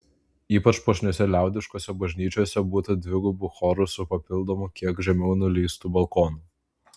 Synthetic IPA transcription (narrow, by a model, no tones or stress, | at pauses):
iːpɐt͡ʃpoʃʲnʲoːsʲɛlʲæˑʊd̪ʲɪʃkoːsʲɛbɐʒʲnʲiːt͡ʃʲoːsʲɛbuːt̪ɐd̪ʲʋʲɪɡʊbʊxɔɾʊsʊpɐpʲɪlˠd̪ɔːmʊkʲiɛkʒʲɛmʲɛʊnuːlʲiːst̪uːbɐlˠkɔːnuː